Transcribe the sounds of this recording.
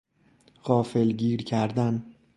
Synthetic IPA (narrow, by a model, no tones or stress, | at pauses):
ɢɒːfe̞lɟiːɾcʰæɾd̪æn